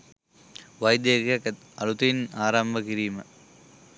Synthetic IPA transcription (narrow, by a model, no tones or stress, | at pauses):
ʋɐjd̪jɐkɐkɐt̪ | ɐlut̪ɐjinaːɾɐmbʱɐkiɾiːmɐ